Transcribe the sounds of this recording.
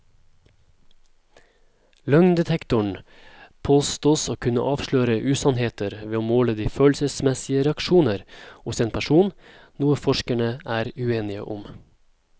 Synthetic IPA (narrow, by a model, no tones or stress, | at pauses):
lœŋnd̪ɛt̪ʰɛkt̪ʊɳ | pʰoːst̪oːsoːkʰʉnə̰ʔɑːʋʃɭøːɾəʔʉːsɑnheːt̪ʰəɾʋeːoːmoːləd̪iːføːlsəsmɛsɪəɾɛɑkʃuːnəɾhʊseːnpʰæʃuːn | nuːəfɔʃkæɳəæːɾʉeːnɪə̰ʔʊm